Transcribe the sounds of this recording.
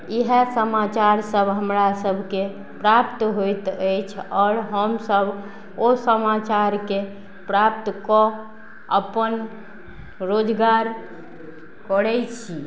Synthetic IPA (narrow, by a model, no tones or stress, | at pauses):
iɦɛsəmat͡ʃaɾsəbʱɦəmɾasəbʱke | pɾapt̪ɦojt̪əjt͡ʃʰɔːɾɦəmsəbʱ | osəmat͡ʃaɾke | pɾap̚t̪kɔ | əpən | ɾod͡ʒɡaɾ | kɔɽɛjt͡ʃʰi